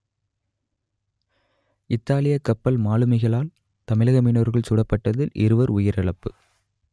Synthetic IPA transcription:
ɪt̪ːaːlɪjɐkːɐpːɐlmaːlɯmɐɪɣɐɭaːl | t̪ɐmɪɭɐɣɐminoːɾɣɐɭsʊɽɐpːɐʈːɐðɪlʔɪ̰ɾɯʋɐɾʊjɪɾɐɭɐpːɯ

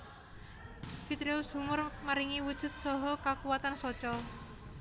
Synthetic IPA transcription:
fit̪ɾeushumʊrmaɾiŋiwud̥ʒ̥ʊ̤t̪̚sɔɦɔkakuwat̪ansɔt͡ʃɔ

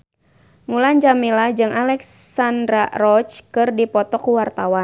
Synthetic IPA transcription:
ŋuland͡ʒamilad͡ʒɨŋʔalɛkssandɾarɔt͡ʃkɨrdipɔt̪ɔkuwart̪awan

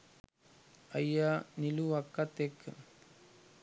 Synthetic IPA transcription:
ɐjaniluʋɐkːɐt̪ekː

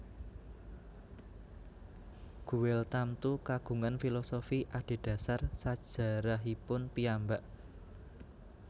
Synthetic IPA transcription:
ɡ̥ṳwɪlt̪amt̪ukaɡ̥ṳŋanfilosofiʔaɖ̥i̤ɖ̥ä̤sarsad̥ʒ̥ä̤ɾaɦipʊnpiambaʔ

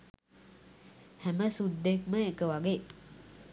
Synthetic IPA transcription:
hæməsud̪ːekməekəʋaɡeː

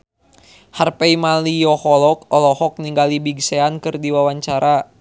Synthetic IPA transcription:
harpɛimalijɔhɔlɔkɔlɔhɔk̚niŋɡalibiɡsɛankɨrdiwawaɲt͡ʃaɾa

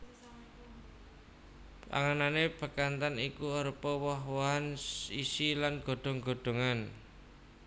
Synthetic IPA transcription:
pa̰ŋananeb̥ə̤kant̪anikuɔɾpɔwɔɦwɔɦanisilanɡ̥o̤ɖ̪̥ɔ̤ŋɡo̤ɖ̪̥o̤ŋan

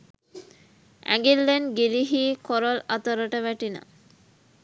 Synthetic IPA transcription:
æ̰ŋɡilːenɡiliɦiːkoɾolɐt̪əɾəʈəʋæʈinə̰

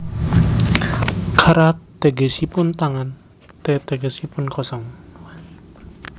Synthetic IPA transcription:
kʰaɾat̪eɡesipʊnt̪aŋan | t̪ɛt̪eɡesipʊnkɔsɔŋ

